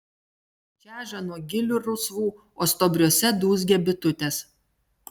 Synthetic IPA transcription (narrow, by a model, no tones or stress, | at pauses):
t͡ʃʲæːʒɐnuɔɡʲɪlʲʊɾʊsʋuː | oːst̪ɔːbʲɾʲuɔsʲɛd̪uːzʲɡʲɛbʲɪt̪ʊt̪ʲeːs